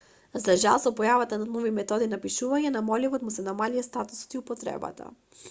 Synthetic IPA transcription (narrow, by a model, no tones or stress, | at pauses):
zaʒa̰lˠsɔpɔjavat̪ananɔvimɛt̪ɔd̪inapiʃuvaɲɛnamɔlivɔt̪musɛnamalijast̪at̪u̥sɔ̥t̪iupɔt̪ɾɛ̰ba̰t̪ʰa̰